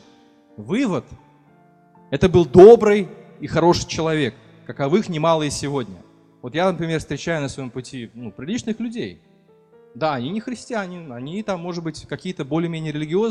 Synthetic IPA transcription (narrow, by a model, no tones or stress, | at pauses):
vɨvət̪ | ɛt̪əbɨlˠd̪o̞bɾɨjixɐɾo̞ʂɨjt͡ɕɪlˠɐvʲe̞kː | əkɐvɨxnʲɪmalˠəjəsʲɪvo̞dʲnʲə | vo̞t̪janəpɾʲɪmʲe̞rfst̪ɾʲɪt͡ɕæjʊnəsvɐjompʊtʲinupɾʲɪlʲit͡ɕnɨxlʲʉdʲej | d̪aɐnʲinʲɪxɾʲɪsʲtʲɪanʲɪɐnʲit̪amːo̞ʐɨd̪bɨtʲkɐkʲijət̪əbo̞lʲɪːmʲenʲɪəɾʲɪlʲɪɡʲɪo̞z